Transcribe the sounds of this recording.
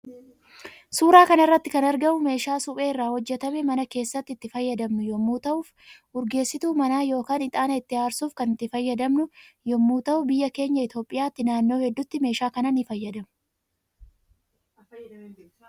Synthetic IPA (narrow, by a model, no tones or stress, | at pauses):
suːɾaːkɐnɪrːɐt̪ːɪkɐnɐɾɡɐʊme̞ːʃaːsʊpʼe̞ːɪrːaːhɔd͡ʒːɛt̪ɐmemɐnɐke̞ːsːɐt̪ːɪt̪ːɪfɐjːɐd̪ɐmnʊjɔmːuːt̪ɐʔuːf | ʊɾɡe̞ːsːɪt̪uːmɐnaːjo̞ːkaːnɪt̪ʼaːnɐɪt̪ːɪaːɾsuːfkɐnɪt̪ːɪfɐjːɐd̪ɐmnʊjɔmːuːt̪ɐʔʊbɪjːɐke̞ːɲːɐɪt̪o̞ːpʼːɪjaːt̪ːɪnaːnːo̞ːhɛd̪ːʊt̪ːɪme̞ːʃaːkɐnɐnifɐjːɐd̪ɐmʊ